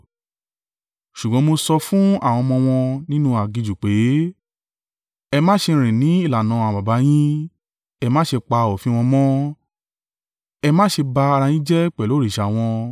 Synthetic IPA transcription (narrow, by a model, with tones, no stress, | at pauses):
ʃu˨ɡ͡bɔ̃˨˧˦mo˧sɔ˧fũ˦a˦˨w̃ɔ̃˧mɔ̃˧w̃ɔ̃˧nĩ˦nũ˦a˨ɡi˧d͡ʒu˨k͡pe˨˦ | ɛ˧mãː˦ʃe˧ɾ̃ĩ˨nĩ˨˦i˦˨la˨nã˨˧˦ba˨ba˨˦j̃ĩ˦ | ɛ˧mãː˦ʃe˧k͡pa˧o˨fĩ˦˧w̃ɔ̃˧mɔ̃˦ | ɛ˧mãː˦ʃe˧ba˧a˧ɾa˧jĩ˦d͡ʒɛ˦k͡pɛ˨lo˨˦ɾi˦˨ʃa˨w̃ɔ̃˧